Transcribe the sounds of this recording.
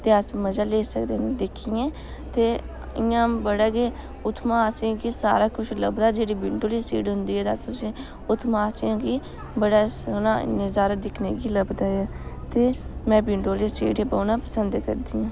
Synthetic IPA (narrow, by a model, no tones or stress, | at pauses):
t̪eːəsməzaːleːsəkd̪eːnd̪ɪkʰːiːɛ̃ː | t̪eː | ɪjãːbəɽaːɡeː | ʊt̪ʰmãːsãːkiːsa̰ːɾaːkʊʃʰləbd̪aːd͡ʒeːɽiːbɪɳɖoːliːsiːɖɦʊnd̪iːɦɛːt̪əsʊsĩ | ʊt̪ʰmãːsãːkiː | bəɽaːsna̰ːnɪzaːɾəd̪ɪkʰneːɡiːləbd̪aːɛːt̪eːmɛ̃ːbɪɳɖoːleːsḭːɖeːbəːnaːpəsənd̪kəɾd̪iːãː